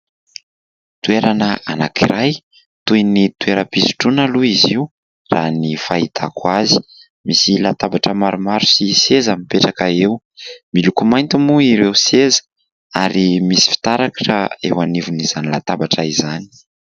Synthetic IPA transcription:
t̪ueɾanəa̰nakiɾʔaj | t̪ujnit̪ueɾəpisu̥ʈ͡ʂunaluiziu | ranifait̪ʰakwazi̥ | misilat̪abaʈ͡ʂəmaɾumaɾusisezamipeʈ͡ʂakaew | milukumajnt̪imuiɾewsezə̥ | aɾimisi̥fi̥t̪aɾakə̥ʈ͡ʂaḛwanivuniz̥anilat̪abaʈ͡ʂaizani̥

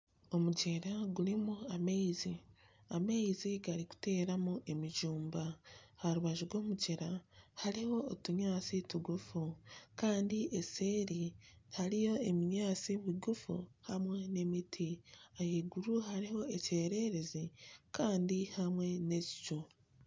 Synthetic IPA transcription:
o̞muɟeɾaɡuɾimuameizi | ameiziɡaɾiku̥te̞ːɾamuʔe̞miʒuːmbahaɾuβaʒuɡo̞ːmuɟeɾahaɾiho̞ːtuɲaːt͡situɡufukaːndiʔeseːɾihaɾijo̞emiɲaːt͡siβiɡufṵhamwe̞ne̞mitʰiajeɡuɾuhaɾiho̞ece̞ːɾe̞ɾe̞zikaːndihamwe̞ne̞ci̥cu

